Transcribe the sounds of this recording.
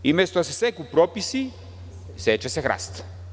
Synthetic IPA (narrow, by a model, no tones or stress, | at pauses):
imɛst̪osɛsɛkupɾɔpisi | sɛt͡ʃɛsɛxɾa̰st̪